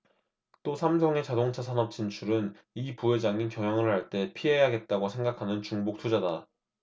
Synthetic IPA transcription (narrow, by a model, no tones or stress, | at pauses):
t͈osʰamsʰʌŋe̞t͡ɕadoŋt͡ɕʰasʰanʌp̚t͡ɕ͈int͡ɕʰuɾɯn | ipuɦe̞d͡ʑaŋinkjʌŋjʌŋɯɭhaɭt͈e̞pʰiɦe̞jaɡe̞t̚t͈aɡosʰe̞ŋɡakʰanɯnt͡ɕuŋbok̚tʰud͡ʑada